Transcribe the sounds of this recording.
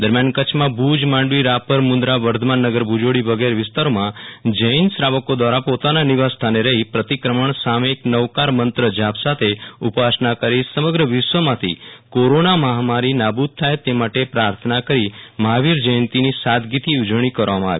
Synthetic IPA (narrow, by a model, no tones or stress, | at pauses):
d̪əɾmjankət͡ʃʰmãbʱud͡ʒmãɳɖʋiɾapəɾmʊnd̪ɾaʋəɾd̪ʱəmanːəɡəɾbʱud͡ʒoɽiʋəɡeɾʋɪst̪aɾomãd͡ʒəjnsɾaʋəkod̪ʋaɾapot̪ananiʋast̪ʰaneɾəɦipɾət̪ikɾəməɳ̃sameːknəʋkaɾmənt̪ɾəd͡ʒapsat̪ʰeupasnakəɾisəməɡɾəʋɪʃʋəmãt̪ʰḭkoɾonaməɦamaɾinabud̪̚t̪ʰːajt̪emaʈepɾaɾt̪ʰənakəɾiməɦaʋiɾd͡ʒəjənt̪inisat̪ɡit̪iud͡ʒɽ̃ikəɾʋamãaʋi